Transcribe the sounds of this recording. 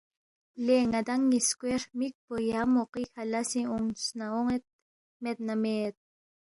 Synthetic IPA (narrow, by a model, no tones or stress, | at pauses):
leŋad̪aŋːiskwermik̚pojamoqikʰalasiuŋsnaoŋet̪̚ | met̪̚namet̪̚